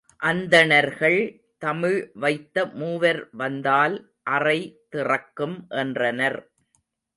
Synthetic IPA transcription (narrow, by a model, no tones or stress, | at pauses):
ʔɐnd̪ɐnɐɾɣɐɭ | t̪ɐmɪɻʋɐɪt̪ːɐmuːʋɐɾʋɐnd̪aːl | ʔɐrɐɪt̪ɪrɐkːɯmʔɛndrɐnɐɾ